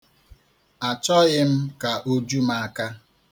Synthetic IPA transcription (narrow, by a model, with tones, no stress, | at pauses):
a˨t͡ʃɔ˦ɣɪ˦m̩˦ka˨ʔo˦d͡ʒu˦ma˨a˨ka˦